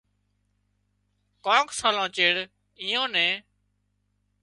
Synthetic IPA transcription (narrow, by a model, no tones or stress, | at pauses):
kõːksaːlãːt͡ʃeːɽ | ĩːõːnɛ̃ː